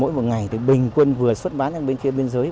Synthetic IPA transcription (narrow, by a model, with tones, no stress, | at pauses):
o̰˧˥jmo˨˩t̚ŋa˨˩jt̪ʰɨ˨˩ɓï˨˩ŋ̟kwə˧nvɨ˨˩əswə˦˥t̚ɓaː˨˦nt͡ɕa˧ŋɓe˧nxi˧əɓe˧ənzəː˨˦j